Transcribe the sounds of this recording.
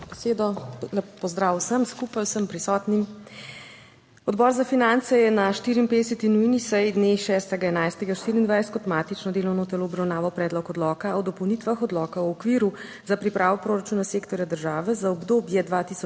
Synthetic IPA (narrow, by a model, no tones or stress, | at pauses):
b̥ɛseːd̪ɔlɛpɔzd̪ɾaːwsəmskupajwsəmpɾisɔːt̪nim | ɔd̪bɔːɾzafinant̪sɛjɛnaʃt̪iːɾimpeːd̪ɛsɛt̪inujnisɛjd̪neʃɛːst̪ɛɡaɛnajst̪ɛɡaʃt̪iɾiːnd̪ʋajst̪kɔt̪maːt̪it͡ʃnɔd̪eːlɔwnɔt̪ɛloːbɾawnaːʋɔpɾɛːd̪lɔkɔd̪lɔːkaɔd̪ɔpɔwnit̪ʋaxɔd̪lɔkaɔɔkʋiːɾu | zapɾipɾʔaːʋɔpɾoːɾat͡ʃuːnaseːkt̪ɔɾjad̪əɾʒaːʋɛzaɔbd̪oːbjɛd̪ʋat̪iːsɔ